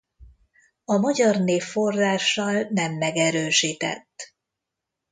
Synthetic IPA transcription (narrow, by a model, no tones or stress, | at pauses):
ɒmɒɟɒrneːfːo̞rraːʃːɒlnɛmːɛɡɛɾøːʃiːt̪ɛ̰t̪ː